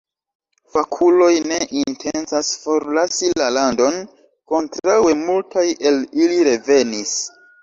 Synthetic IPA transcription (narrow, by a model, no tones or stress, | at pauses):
fakʰulo̞jne̞ʔintʰe̞nsasfo̞ɾlasilalando̞n | ko̞ntɾawe̞multʰajʔe̞liliɾe̞ve̞nis